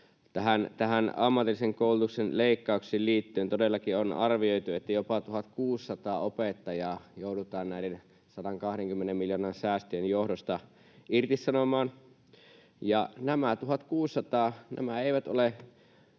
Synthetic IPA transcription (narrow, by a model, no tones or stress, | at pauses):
t̪æɦænt̪æhænɑmːɑt̪ilːiseŋkoˑulut̪uksenleˑikːɑˑukseːlliːt̪ːyønt̪odelːɑkionɑ̰rʋioit̪uet̪ːæjopɑt̪uhɑt̪kuːsːɑt̪ɑːopet̪ːɑjɑːjoˑuɾut̪ɑːnnæˑiɾen | sɑdɑŋkɑhɾeŋkymːenemmiljonɑnsæːst̪øjenjohdost̪ɑ | irt̪isːɑnomɑːn | jɑnæmæt̪uɦɑt̪kuːsːɑt̪ɑːnæ̰mæeˑiʋæt̪o̰le